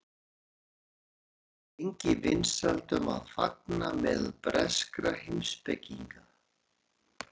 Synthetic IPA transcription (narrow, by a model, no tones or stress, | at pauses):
eɲcɪvɪnsalt̪ʏmaðfak̚namɛðpɾɛskɾahenspecːiŋka